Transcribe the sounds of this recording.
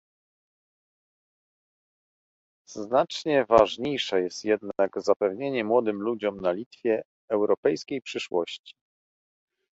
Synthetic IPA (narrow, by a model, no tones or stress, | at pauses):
z̥nat͡ʂɲɛvaʐɲejʂɛjɛst̪jɛd̪naɡzapɛvɲeɲɛmwɔd̪ɘmlud͡ʑɔmnalʲit̪fʲjɛː | wɾɔpɛjskʲejpʂɘʂwɔɕt͡ɕi̥